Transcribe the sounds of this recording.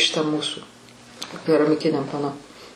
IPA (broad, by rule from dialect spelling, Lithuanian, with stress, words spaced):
ʃʲɪˈtɐ ˈmuːsʊ kʲɛrɐmʲɪˈkʲɪnʲɛm pɐˈnoː